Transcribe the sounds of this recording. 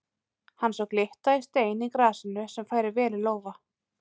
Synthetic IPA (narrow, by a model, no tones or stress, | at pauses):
hanːsɔwklɪht̪aɪst̪eːjnikɾaːsɪnʏsɛmfaːjɾɪɾvɛːlɪloːwva